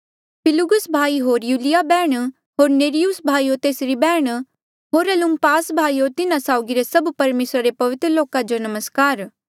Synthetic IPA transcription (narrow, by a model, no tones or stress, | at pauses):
pʰɪlʊɡʊsbʱaːiɦoːɾjuːlijabɛːɽ̃ | ɦoːɾneːɾijusbʱaːiot̪eːsɾibɛːɽ̃ | ɦoːɾɐlʊmpaːsbʱaːiot̪ɪnãsaːʊɡiɾesɐbpɐɾmeːsɾaɾepɐʋɪt̪ɾəloːkad͡ʒonɐməskaːɾ